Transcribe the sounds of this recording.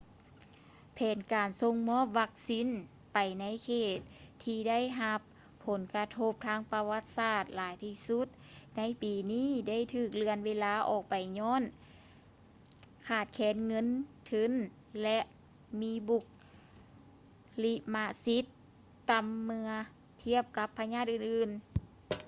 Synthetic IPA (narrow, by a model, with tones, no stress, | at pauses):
pʰɛː˨˩nkaː˨˩nso˧ŋmɔː˧˥˨p̚ʋa˧k̚siː˧˥˨n | pa˨˩jna˧˥jkʰeː˧˩t̪̚ʰːiː˧da˥˨jɦa˧pʰː | o˨˦nka˧t̪ʰo˧p̚t̪ʰaː˧˥ŋpa˧wa˧˥t̪̚saː˧˩t̪̚laː˨˦jt̪ʰiː˧˥su˧˥t̪̚na˧˥jpiː˨˩niː˧˥˩da˥˩˨jt̪ʰɯː˧˩k̚lɯ˧ənweː˧˥laː˧˥ʔɔː˧˩k̚pa˨˩jɲɔː˧˥˨n | kʰaː˧˩t̪̚kʰɛː˨˧˥nŋɤ˧˥˨nt̪ʰɯ˧˥n | lɛ˧ʔ | miː˧˥bu˧˩k̚ | li˧˥ʔma˧˥ʔsi˧˦˥t̪ː | a˨˧mːɯ˧ɐ | t̪ʰi˧˥˩əp̚ka˧˦˥pʰːa˧ɲaː˥˩t̪̚ʔɯː˧˩nʔɯː˨˩n